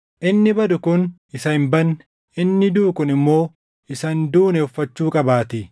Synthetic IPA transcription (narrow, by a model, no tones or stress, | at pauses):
ʔɪnːɪbɐd̪ʊkʊnɪsɐhɪmbɐn | ɪnːɪd̪uːkʊnɪmːo̞ː | ɪsɐnd̪uːnɛʊfːɐt͡ʃːuːkʼɐbaːt̪ɪ